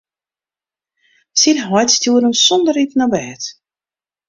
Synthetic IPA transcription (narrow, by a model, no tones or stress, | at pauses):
sinɦwɔjtstjuːəɾənsɔndəɾipnabɛːt